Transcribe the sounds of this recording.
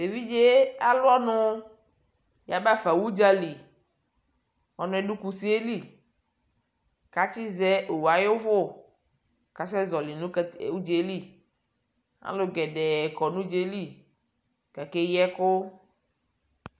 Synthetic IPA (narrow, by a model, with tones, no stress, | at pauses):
se˨vi˦d͡ʒe˦a˨lʊ˦ɔ˦nʊ˦ | ja˨ba˦˨fa˨wu˦d͡ʒa˦li˨ | ɔ˨nʊ̃˦ɛ˨ɖu˦ku˨si˦e˦li˦˨ | ka˨t͡ʃɪ˦zɛ˦ʔo˨wa˨jo˦vʊ˦ | ka˨s̬ɛ˦zɔ˨lɪ˨nʊ̃˦˨u˦d͡ʒe˨˦li˦ | a̰˨˦lʊ˨˦ɡɛ˨ɖɛ˨kɔ˨nʊ̃˦d͡ʒe˦li˦˨ | ka˨ke˦jɛ˦kʊ˦